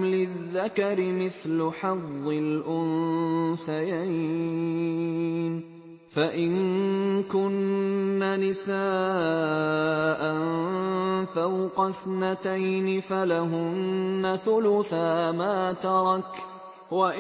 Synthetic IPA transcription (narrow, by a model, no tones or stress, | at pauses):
lɪðːakɑɾɪmɪθlʊħɑðˤːɪlʔʊnθajaj | n | faʔɪnkʊnːanɪsaː | ʔan | fawqɑθnat̪ajnɪfalaɦʊnːaθʊlʊθaːmaːt̪ɑɾˤɑk | waʔ